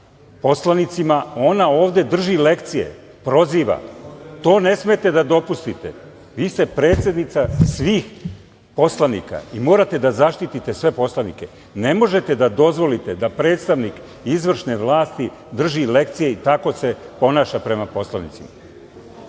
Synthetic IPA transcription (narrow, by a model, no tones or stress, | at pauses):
po̞slˠanit̪simao̞nao̞ːʋd̪e̞d̪r̩ʒile̞kt̪sije̞̰ | pɾo̞ziːʋa̰t̪o̞ːne̞sme̞t̪e̞d̪ad̪o̞pust̪it̪e̞̰ | ʋiːse̞pɾe̞ːt̪se̞d̪nit̪sasʋiːx | po̞slanḭka̰imo̞ːɾat̪e̞d̪azaʃt̪it̪it̪esʋe̞po̞slˠanḭke̞ | ne̞mo̞ʒe̞t̪e̞d̪ad̪o̞zʋo̞lit̪e̞d̪apɾe̞ːt̪st̪aʋnik | izʋr̩ʃne̞ʋlˠaːst̪i | d̪r̩ʒile̞kt̪sije̞it̪ako̞se̞po̞naːʃapɾe̞mapo̞slˠanḭt̪sima